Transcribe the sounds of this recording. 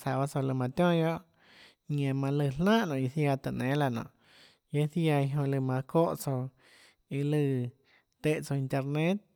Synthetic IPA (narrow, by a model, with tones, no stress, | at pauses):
sa˨ba˧t͡so˧lɨ˧mã˧t̪jɔ̃˦jo˦ʔ | ɲẽ˨mã˧lɨ˧˨lnãː˦ʔnɔ̃˨i˧θja˧t̪ə˨ʔnẽː˨˦la˧nɔ̰̃ː˨ʔ | je˦θja˧i˧ɦõ˧lɨ˧˨mã˧ko˦ʔt͡so˧ | i˧lɨ˧ | t̪e˧ʔt͡so˧i˧nt̪e˧ɾnẽ˦t̪̚